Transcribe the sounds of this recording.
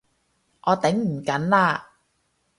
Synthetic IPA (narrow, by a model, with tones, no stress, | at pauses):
ʔɔː˨˧t̪ɪ˨˥ŋm̩˨˩kɐ˨˥nlaː˧